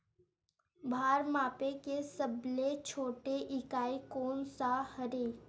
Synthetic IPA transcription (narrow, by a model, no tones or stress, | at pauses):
bʱaːɾmaːpekesəblet͡ʃʰoːʈeʔɪkaːikoːnsahəɾeː